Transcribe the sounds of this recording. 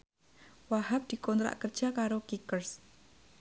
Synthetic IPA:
wahap̚d̪̥i̤kɔnt̪ɾa̰ʔkərd͡ʒ̥akaɾokikərs

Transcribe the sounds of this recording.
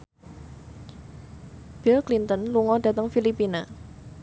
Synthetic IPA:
b̥ilklint̪ənluŋɔd̥ä̤t̪əŋfilipina

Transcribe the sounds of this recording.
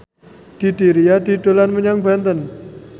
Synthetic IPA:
d̪̥i̤d̪iɾijad̪̥i̤d̪olanməɲaŋbant̪ən

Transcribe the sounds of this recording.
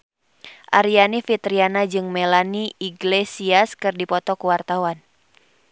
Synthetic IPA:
ʔaɾianifit̪ɾianad͡ʒɨŋmelaniiɡlesiaskɨrdipɔt̪ɔkuwart̪awan

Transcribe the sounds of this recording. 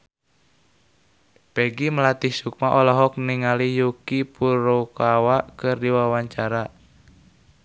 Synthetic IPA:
pɛɡiməlat̪ihsuk̚maʔɔlɔɦɔk̚niŋalijukipuɾokawaʔkɨrdiwawaɲt͡ʃaɾa

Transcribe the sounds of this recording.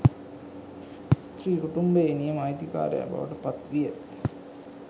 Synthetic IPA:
st̪riːkuʈumbɐenijɐmaːjt̪ika̰ːɾɐ̰jɐ̰ba̰ʋɐʈɨpɐt̪ʋijɐ

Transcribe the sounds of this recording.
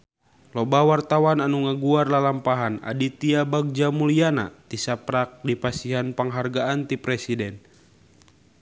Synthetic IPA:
lɔbawart̪awananuŋaɡuarlalampaɦana̰dit̪iabaɡ̚d͡ʒamuliana̰t̪isapɾak̚dipasiɦanpəŋɦarɡaʔant̪ipɾɛsidɛn

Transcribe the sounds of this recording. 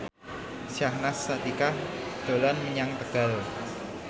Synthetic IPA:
sahnasːat̪ikahd̪̥o̤lanməɲaŋt̪əɡ̥alo

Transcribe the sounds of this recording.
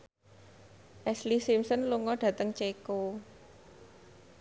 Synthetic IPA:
ʔɛslisimsənluŋɔɖ̥ä̤t̪əŋt͡ʃeko

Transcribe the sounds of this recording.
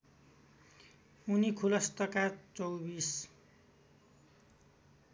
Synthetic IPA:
unikʰulʌst̪ʌkat͡sowbis

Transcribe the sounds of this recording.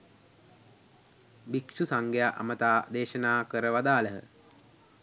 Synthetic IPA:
bikʃusaŋɡejaʔa̰mət̪aːd̪eːʃənaːkəɾəʋad̪aːləɦə̰

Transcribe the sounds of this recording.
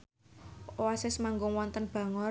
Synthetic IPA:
owasɪsmaŋɡʊŋwɔnt̪ənb̥a̤ŋɔ

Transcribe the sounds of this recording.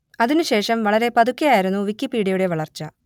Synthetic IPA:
ɐðinuɕe̞ːʂɐmʋɐɭɐɾe̞pɐðukʲːɐjaːjiɾunːuʋikːipːiːɽiɐjuɽe̞ʋɐɭɐrt͡ɕːɐ

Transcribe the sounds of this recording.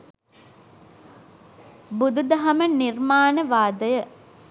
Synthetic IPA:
bud̪ud̪ɐɦɐmənirmaːnəʋaːd̪əjə

